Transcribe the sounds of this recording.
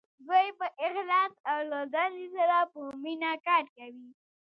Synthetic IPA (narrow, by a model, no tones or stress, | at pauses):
zojepəʔɪxlɑsawlod̪alizaɾapəminakɑʈ̚kawi